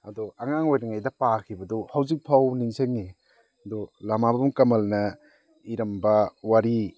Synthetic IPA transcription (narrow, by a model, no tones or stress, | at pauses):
adɔaŋaŋojɾaŋajdɐpakʰibɐdɔhawzik̚pʰawniŋseŋːi | ɐdɔlamabɐbumkɐmɐlnɐ | iɾɐmbɐwaɾi